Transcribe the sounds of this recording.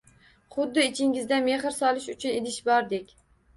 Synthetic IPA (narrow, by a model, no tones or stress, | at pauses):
χʊd̪ːɪɪt͡ʃʰɪŋʲɪzd̪ame̞χɪɾsɒlˠɪʃʊt͡ʃʰʊned̪ɪʃbɒɾd̪ekʲ